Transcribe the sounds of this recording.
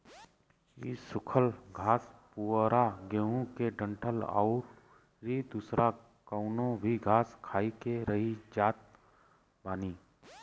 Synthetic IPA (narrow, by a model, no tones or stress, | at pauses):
ḭsʊkʰəlɡʱaːspuɾaɡeːɦõkeɖə̃ɳʈʰəlɔ̰ːɾ | ɾid̪usɾʔa | kɔʊnõbʱiɡʱaːskʰaːikeɾəɦid͡ʒaːt̪̚ | baːniː